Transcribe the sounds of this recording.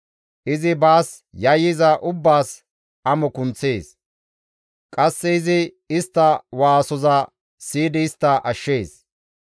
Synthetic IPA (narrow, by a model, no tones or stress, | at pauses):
ʔɪzɪbaːs | jɐjɪzɐʔʊbːaːs | ʔɐmɔkʊnt͡sːe̞ːs | kʼɐsːɛɪzɪ | ɪst̪ːɐwaːsɔzɐ | siːd̪ɪːst̪ːɐʔɐʃːeːs